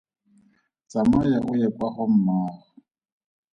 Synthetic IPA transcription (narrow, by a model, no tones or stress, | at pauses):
t͡sʼamajaʔʊjɛpʼaχɔm̩maːχɔ